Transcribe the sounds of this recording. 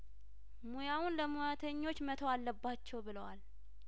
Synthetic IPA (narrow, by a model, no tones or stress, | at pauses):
mujawunləmujat̪ʰəɲːo̞t͡ʃːmət̪ʰoalːəbːat͡ʃːɛwbɨləwal